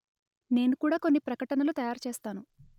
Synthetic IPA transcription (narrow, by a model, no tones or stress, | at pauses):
ne̞ːnukuːɽaːko̞nːipɾɐkɐʈɐnɐlut̪ɐjaːɾt͡ʃeːst̪aːnu